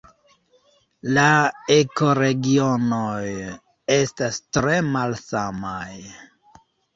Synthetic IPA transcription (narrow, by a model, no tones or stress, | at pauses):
laeko̞ɾe̞ɡio̞noj | e̞stastɾe̞malsamaj